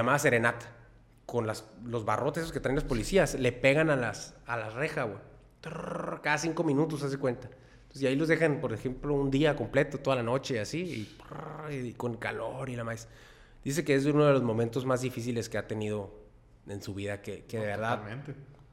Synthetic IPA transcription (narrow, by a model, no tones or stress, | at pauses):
amaðase̞ɾe̞nat̪ḁ | ko̞nlaslo̞zβa̰rʔot̪eseoket̪ɾajnlaspo̞lisiasle̞pe̞ɣanalasalarexawe | t̪kaðasiŋko̞mĩnut̪o̞s̬as̬ekwe̞nt̪a | nt̪osesailozðe̞xanpo̞ɾexe̞mplo̞und̪iako̞mple̞t̪ot̪oðalano̞t͡ʃe̞asiḭpː | ko̞nkalo̞ɾilamajs | d̪̥is̬e̞ke̞es̬unoð̞elo̞zmo̞mẽnt̪o̞zmazðifis̬ile̞ske̞at̪e̞nið̞o̞ | e̞nsuβiðakekeðeβeɾðament̪e